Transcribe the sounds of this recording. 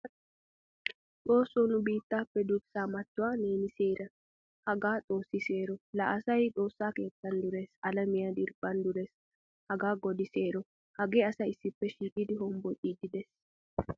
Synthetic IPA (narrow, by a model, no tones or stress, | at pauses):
ᶑo̞ːsːonʊbiːt̪ːaːpːɛd̪ʊsaːmɐt̪ːʊwaːneːnɪseːɾɐ | hɐɡaːt̪ʼo̞ːsːɪse̞ːɾɔlɐʔɐsɐjᶑʼo̞ːsːaːke̞ːt̪ːɐnd̪ʊɾeːsɐlɐmɪjad̪ɪɾb̥ɐnd̪ʊɾes | hɐɡaːɡɔd̪ɪse̞ːɾɔ | hɐɡe̞ːɐsɐɪsːɪpːɛʃiːkʼɪd̪ɪɦɔmbɔʔʼiːd̪ɪd̪ɛs